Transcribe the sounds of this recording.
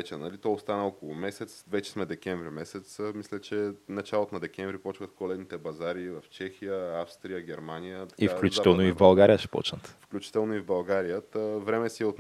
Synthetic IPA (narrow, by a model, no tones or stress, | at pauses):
t͡ʃɛnɐlit̪ɔost̪anəɔkolˠʊmɛsɛt̪svɛt͡ʃɛ̥smɛd̪ɛkʲɛɱvɾimɛsɛt̪smislʲɛt͡ʃɛnɐt͡ʃalˠot̪onɐd̪ɛk̟ɛɱvɾipɔt͡ʃvət̪kolɛd̪nit̪ɛbɐzaɾivɐft͡ʃɛxijəafst̪ɾijəɡʲɛɾmanijət̪ɐ̥ifklʲut͡ʃiat̪ɛlˠnoivbɐlˠɡaɾijəʃɛ̥pɔ̰t͡ʃnət̪fklʲut͡ʃi̥t̪ɛlˠnoivbɐlˠɡaɾijət̪əvɾɛmɛsiɛot̪